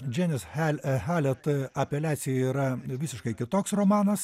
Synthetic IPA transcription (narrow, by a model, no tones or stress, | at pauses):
d͡ʒʲænʲɪsælʲxæːlʲɛt̪ɐpʲɛlʲæːt̪sʲɪjɛiːɾɐʋʲɪːsʲɪʃkɐɪkʲɪt̪oːksroːmɑːnɐs